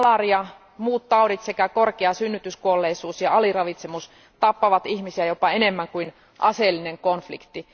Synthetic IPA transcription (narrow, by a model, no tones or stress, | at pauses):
lɑriɑ | muːt̪t̪ɑodit̪sekækorkeɑsynːyt̪yskuolːeisuːsjɑɑlirɑʋit̪semus | t̪ɑpːɑʋɑt̪ihmisiæjopɑenemːæŋkuin | ʔɑselːineŋkonflḭkt̪ːi